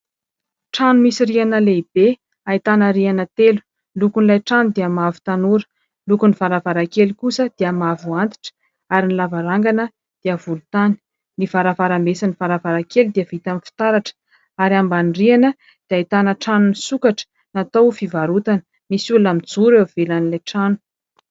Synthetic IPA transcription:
ʈ͡ʂanumisirianəleib̥e | ait̪anəɾianət̪elu̥ | lukunilajʈ͡ʂanud̪iamavu̥t̪anuɾə̥ | lukunivaɾavaɾakelikusəd̪̥iəmavuant̪i̥ʈ͡ʂə̥ | aɾinilavaɾaŋɡanə | d̪̥iəvulut̪ani̥ | nivaɾavaɾamesanivaɾavaɾakeld̪iəvit̪amfi̥t̪aɾaʈ͡ʂə̥ | aɾiambanrianə | d̪̥eait̪anəʈ͡ʂanunisukaʈ͡ʂə̥ | nat̪owfivaɾut̪anə̥ | misulamid͡zuɾewav̥elanilajʈ͡ʂanu̥

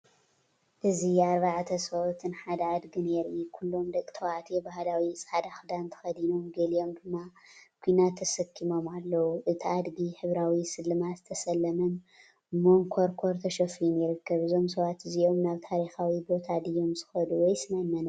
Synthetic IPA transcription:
ʔɨziaɾβaʕat̪ʰɐsɐʔot̪ʰɨnħad̪ɐad̪ɡineɾukʰulːo̞md̪ɐkʼːt̪ʰɐwaʕt̪ʰibaɦlawisʼad̪axd̪ant̪ʰɐ̥xɐd̪ino̞mɡɐlijo̞md̪ɨmːakʷʰuinat̪ʰːɐsɐkʰːimo̞malːɐwuʔɨt̪ʰiad̪ɡiħɨβɾawisɨlːɨmat̪zɨt̪ʰɐsɐlːɐmɐn | moŋkʰoɾkʰoɾt̪ʰɐʃɐfiunjɪɾɨkʰːɐβɨzo̞ms̬ɐβat̪ɨzio̞mnaβt̪ʰaɾixawibo̞t̪ʰad̪ɨjo̞mzɨxɐd̪uwɔjsɨmajnːɐno

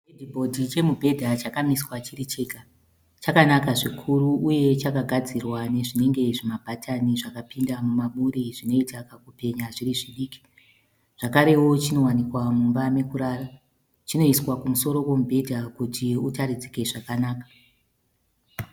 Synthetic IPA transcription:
edʱibʱo̞dʱit͡ʃe̞mubʱe̞dʱat͡ʃakamiswat͡ʃirit͡ʃeka | t͡ʃakanakaʐikʰuɾuʔuje̞t͡ʃakaɡʱad͡zirwane̞ʐine̞ŋɡe̞ʐimabʱatʰaniʐakapindamumaɓuɾiʐino̞itakakupe̞ɲaʐiriʐiɗiːki̥ | ʐ̥akaɾe̞wo̞t͡ʃino̞wanikwamumbame̞kuɾaːra | t͡ʃino̞iswakumuso̞ɾo̞we̞mubʱe̞dʱakutʰiutaɾid͡zike̞ʐakanaːkḁ

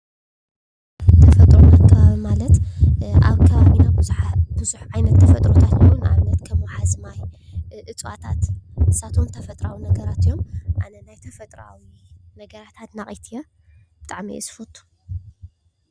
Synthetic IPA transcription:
t̪ʰɐfɐt̪ʼɾomakʰɐβaβimalɐt̪a̰βkʰɐβaβinababɨzuħʕajnɐt̪ːʰɐfɐt̪ʼɾot̪ʰat̪wona̰βnɐt̪kʰɐmwħazmajʔɨt͡sʼwa̰t̪ʰat̪ɨsat̪ʰo̞mt̪ʰɐfɐt̪ʼɾawinɐɡɐɾat̪ɨjːo̞mʔanɐnajt̪ʰɐfɐt̪ʼɾa̰winɐɡɐɾat̪ʰat̪naχʼit̪ʰija | b̥ɨt̪ʼaʕmiɛ̰sɨ̥fot̪ʰːu̥

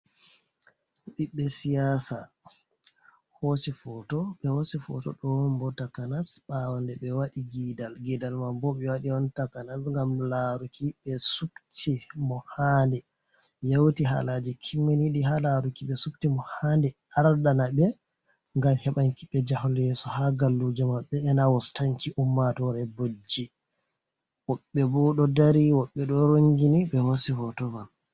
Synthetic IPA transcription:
ɗiɓːɛsijasa̰ | hosifɔtɔɓɛhosifɔ̰tɔ̰ɗɔwmbɔtakanasɓawandɛɓɛwaɗiɡidalɡidalmabɔɓɛwaɗiɔntakanasŋɡamlaɾukiɓɛsuktʰimɔhandɛ | jewtiɦa̰lad͡ʒɛkʰimːeniɗiɦalaɾukiɓɛsuk̚timɔhandɛ | aɾdanabɛ | ŋɡamhɛɓaŋkiɓɛd͡ʒahɔljɛsɔhaɡalːud͡ʒɛmaɓːɛːnawɔstaŋkiʔumːatɔɾɛbod͡ʒi | wɔɓːɛbɔɗɔdaɾiwɔɓːɛɗɔɾoŋɡiniɓɛhosifɔtɔval

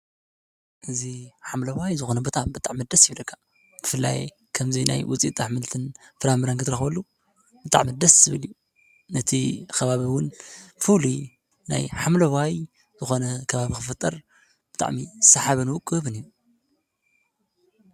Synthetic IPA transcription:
ʔɨziħamlɐwajzɨxo̞nɐbɨt̪ʼambɨt̪ʼaʕmid̪ɐsjɪβlɐkʰːḁ | b̥ɨfɨlːa̰j | kʰɐmzina̰jwʊt͡sʼḭt̪ʼːaħmɨlt̪ʰɨn | fɨɾamɨɾankɨt̪ɨɾɐxwɐlːu | bɨt̪ʼa̰ʕmid̪ɐszɨβɨliju | nɐt̪ʰikɐβaβiwʊnfuli | na̰jħamlɐwaj | zɨxo̞nɐkʰɐβaβikɨfɨt̪ʼːɐɾ | b̥ɨ̥t̪ʼa̰ʕmisaħaβɐnɨwʊkʼɨβɨniu

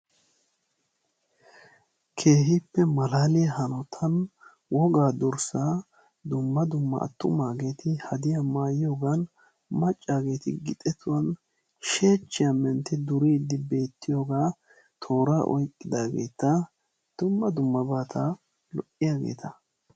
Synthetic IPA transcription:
kʰe̞ːɦɪpːɛmɐlaːlɪjɐhɐnɔt̪ʰɐn | wɔɡaːd̪ʊɾsa | d̪ʊmːɐd̪ʊmːɐ̰ʔːt̪ːʊmaːɡe̞ːt̪ʰɪhɐd̪ɪjamaːjɪjoːɡan | mɐt͡ʃʼːaːɡe̞ːt̪ɪ̰ɡɪt̪ʼɛt̪ʊwɐn | ʃe̞ːt͡ʃːɪjamɛnt̪ɪd̪ʊɾiɪd̪ːɪbe̞ːt̪ːɪjoːɡaː | t̪ʰo̞ːɾaːʔɔ̰jkʼːɪd̪aːɡḛːt̪ɐ | d̪̥ʊmːɐd̪ʊmːɐbaːt̪ʰɐ | lɔʔɪjaːɡe̞̰ːt̪ʰɐ

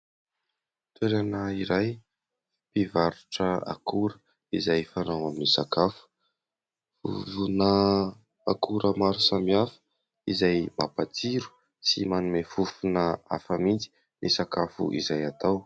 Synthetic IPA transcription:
t̪ʰweɾanaiɾaj | pivaɾuʈ͡ʂəa̰kʰuɾə | izajfanawaminisakafu̥ | fṵvunə | akʰuɾəmaɾusamiafə̥ | izajmapat͡siɾu̥ | simanumefufunəa̰fəmint͡si̥ | nisakafṵʔizajat̪aw

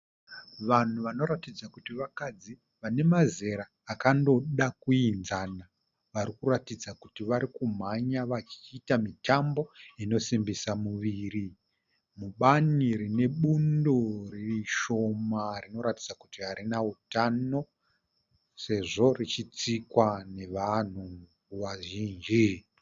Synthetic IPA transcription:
ʋan̤uʋano̞ɾatid͡zakutiʋakad͡zi | ʋane̞maze̞ɾaːkando̞ɗakuinzana | ʋaɾikuratid͡zakutiʋaɾikum̤aɲaʋat͡ʃi̥ːtamitambo̞ino̞simbisamuʋiːɾi | muɓaniɾine̞ɓundoririʃo̞marino̞ɾatid͡zakutiɦaɾinautano̞ | se̞ʐo̞rit͡ʃit͡sikwane̞ʋan̤u | ʋaʒiːnd͡ʒi

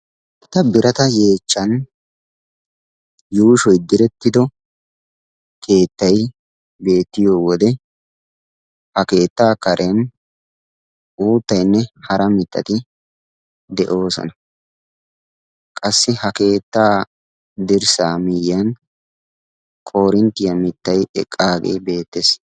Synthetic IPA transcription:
ɛt̪ːɐbɪɾɐt̪ɐje̞ːt͡ʃːɐn | juːʃɔjd̪ɪɾɛt̪ːɪd̪ɔ | kʰe̞ːt̪ːɐj | be̞ːt̪ːɪjoːwɔd̪ɛ | hɐke̞ːt̪ːaːkɐɾʔɛn | uːt̪ːɐjnːɛhɐɾɐmɪt̪ːɐ̰t̪ɪ | d̪ɛʔo̞ːsɔ̰nɐ | kʼɐsːɪhɐke̞ːt̪ːaː | d̪ɪɾsaːmɪjɐn | kʼo̞ːɾɪnt̪ːɪjɐmɪt̪ːɐjɛ̰kʼːaːɡḛːbe̞ːt̪ːes

